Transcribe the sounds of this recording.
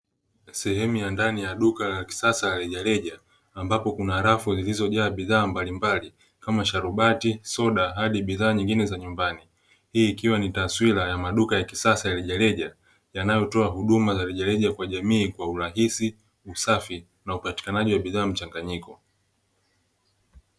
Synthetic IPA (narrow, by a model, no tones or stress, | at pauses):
sɛhɛmujandanijaɗukalaki̥sasajalɛʄalɛʄaː | mbapɔkunaːɾafuzilizɔʄaːɓiðaːmbalimbali | kamaʃaɾuɓatisɔɗaɦaɗiɓiðaːɲiŋɡinɛzaɲumbani | hiːkiwanitaswilajamaɗukajakisasajaliʄalɛʄa | janajɔtɔaɦuɗumazaliʄalɛʄakwaʄamiːkwauɾaɦisi | usafi | naupati̥kanaʄiwaɓiðaːm̩t͡ʃaŋɡaɲikɔ